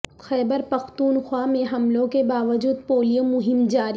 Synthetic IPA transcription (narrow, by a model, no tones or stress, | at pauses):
xɛːbəɾpɐxt̪uːnxwaːmẽɦɐmlõkebaːʋəd͡ʒuːd̪̚poːlijomʊɦɪmd͡ʒaːɾi